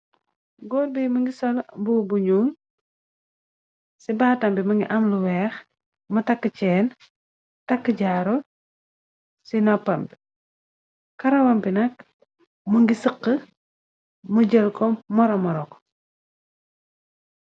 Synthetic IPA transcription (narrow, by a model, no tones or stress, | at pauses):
ɡɔlbɛjmɐŋɡisɔlbubuɲuːn | sibaːtɐmbimɐŋɡiʔɐmluwɛːx | mɐtɐkːət͡ʃɛːn | tɐkːəɟaɾɔ | sinɔpːɐmb | kɐɾɐwɐmbinɐk | muŋɡisəqːə | muɟəlkɔmːɔɾɔmɔɾɔk